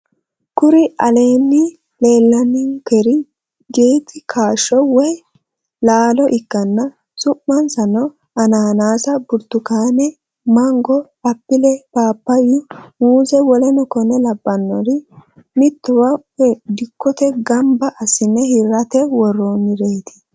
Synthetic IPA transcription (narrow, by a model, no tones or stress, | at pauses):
kʊɾɪʔɐle̞ːnːɪ | le̞ːlːɐnːɪkɛɾɪ | ɡeːt̪ɪkʰaːʃːɔwɔj | laːlɔʔɪkːɐnːɐ | sʊʔːɐnsɐnɔ | ɐnaːnaːsɐbʊɾt̪ːʊkaːnɛ | mɐŋɡɔ | ɐpːɪlɛpaːpːɐjʊmuːzɛwɔlɛnɔkɔnɛlɐbːɐnːɔɾɪ | mɪt̪ːʊwɐ | ɛd̪ɪkːɔt̪ɛɡɐmbɐʔɐsːɪnːɛhɪɾɐt̪ɛwɔrːonːɪɾe̞ːt̪ɪ̥